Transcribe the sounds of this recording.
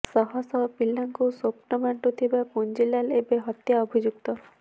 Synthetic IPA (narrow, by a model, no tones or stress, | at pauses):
sɔɦɔsɔpilːaŋkusopnɔbaɳʈut̪ʰibapund͡ʒilalebeɦɔt̪jaɔbʱid͡ʒuk̚t̪ɔ